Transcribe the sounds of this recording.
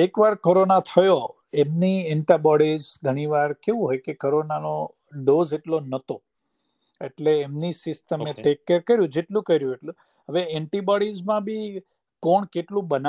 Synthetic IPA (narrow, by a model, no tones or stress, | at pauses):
ekʋaɾkoɾonat̪ʰəjo | emnieɳʈabɔɽizɡʱəɽ̃iʋaɾkeʋũɦojkekoɾonano | ɖozeʈlonət̪o | eʈleːmnisɪsʈəmet̪ekːəɾkəɾjũd͡ʒeʈlũkəɾjũeʈlũ | ɦəʋeɛɳʈibɔɽizmãbʱi | koɳkeʈlũbəna